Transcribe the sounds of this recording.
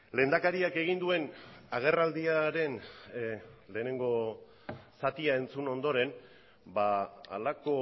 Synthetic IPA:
le̞ːnd̪akaɾiake̞ɣ̞ind̪ue̞naɣ̞e̞rald̪iaɾe̞n | le̞ːne̞ŋɡo̞ | sat̪iae̞nt͡suno̞nd̪o̞ɾe̞n | baa̰lako̞

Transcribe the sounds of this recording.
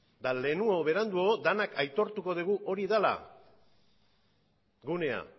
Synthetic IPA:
d̪ale̞nuoβe̞ɾand̪uod̪anakajt̪o̞ɾt̪uko̞ð̞iɣ̞uʔo̞ɾiðala̰ | ɡune̞a̰

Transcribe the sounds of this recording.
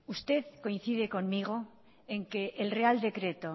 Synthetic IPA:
ust̪e̞ðko̞in̟θið̞e̞ko̞nmiɣ̞o̞ | eŋke̞ʔːlreald̪e̞kɾe̞t̪o

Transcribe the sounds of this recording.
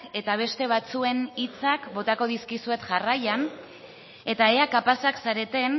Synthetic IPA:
ke̞t̪aβ̞e̞st̪e̞β̞at͡sue̞nit͡sakbo̞t̪ako̞ðiskisue̞t̪ʝarajan | e̞t̪ae̞akapasaksaɾe̞t̪e̞n

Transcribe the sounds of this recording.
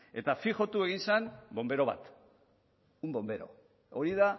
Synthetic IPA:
e̞t̪afiʝo̞t̪ue̞ɣ̞insanbo̞mbe̞ɾo̞βa̰t̪ | umbo̞mbe̞ɾo̞̰ | oɾiða

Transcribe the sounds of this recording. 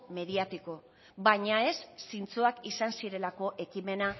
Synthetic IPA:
me̞ðiat̪iko̞ | bajɲae̞sːint͡suakisansiɾe̞lako̞ʔe̞kime̞na

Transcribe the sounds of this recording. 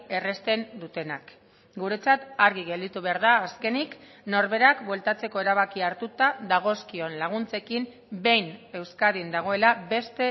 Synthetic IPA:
e̞re̞st̪e̞nd̪ut̪e̞nak | ɡuɾe̞t͡sat̪aɾɣiɣe̞ld̪it̪uβe̞aɾð̞aːske̞nik | no̞ɾβe̞ɾakbwe̞lt̪at͡se̞ko̞e̞ɾaβakiaɾt̪ut̪aðaɣ̞o̞skio̞nlaɣ̞unt͡se̞kim | be̞jne̞wskaðind̪aɣ̞o̞e̞labe̞st̪e̞

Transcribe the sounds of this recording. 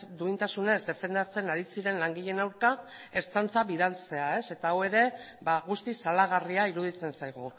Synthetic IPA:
d̪uint̪asune̞zd̪e̞fe̞nd̪at͡se̞naɾisiɾe̞nlaŋɡiʎe̞nawɾka | e̞ɾt͡sant͡saβiðalt͡se̞ae̞se̞t̪aːwe̞ɾe̞ | baɣust̪isalaɣ̞ariaiɾuð̞it͡se̞nsajɣ̞u

